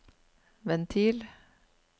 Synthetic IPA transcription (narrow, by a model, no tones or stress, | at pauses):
ʋɛnt̪ʰiːl